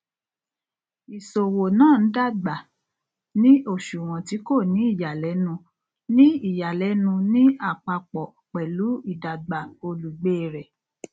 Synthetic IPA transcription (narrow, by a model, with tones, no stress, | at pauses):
i˨so˨wo˨nãː˦˨n̩˨˦da˦˨ɡ͡ba˨ | nĩ˦o˦˨ʃu˨w̃ɔ̃˨ti˨˦ko˦˨nĩ˨˦i˦˨ja˨lɛ˨˦nũ˧ | nĩ˦i˦˨ja˨lɛ˨˦nũ˧nĩ˦a˦˨k͡pa˧k͡pɔ˨ | k͡pɛ˨lu˨˦i˦˨da˨ɡ͡ba˨o˧lu˨ɡ͡beː˦˨ɾɛ˨